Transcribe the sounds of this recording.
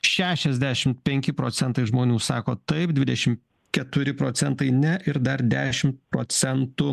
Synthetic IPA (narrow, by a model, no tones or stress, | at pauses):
ʃʲæːʃʲɛzʲd̪ʲæːʃʲɪmt̪pʲɛŋʲkʲɪpɾoːt̪sʲɛnt̪ɐɪʒmoːnʲuːsɑːkoːt̪ɐɪp̚d̪ʲʋʲɪd̪ʲɛʃʲɪm | kʲɛt̪ʊɾʲɪpɾoːsʲɛnt̪ɐɪnʲɛʔɪɾd̪ɐɾd̪ʲæːʃʲɪmt̪̚pɾoːsʲɛnt̪ʊ